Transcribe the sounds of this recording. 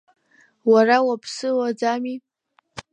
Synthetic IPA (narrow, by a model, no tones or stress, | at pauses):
warawapʰsɨwad͡zami